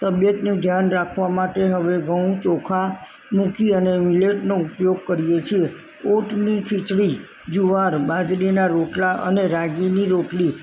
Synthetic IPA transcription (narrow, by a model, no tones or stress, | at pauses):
t̪əbjət̪nũd̪ʱjanɾakʰʋamaʈeɦəʋeɡəũt͡ʃɔkʰa | mũkiənemileʈnoupjoɡ̚kəɾijet͡ʃʰie | oʈnikʰit͡ʃɽi | d͡ʒuʋaɾbad͡ʒɾinaɾoʈlaʔə̰neɾaɡiniɾoʈli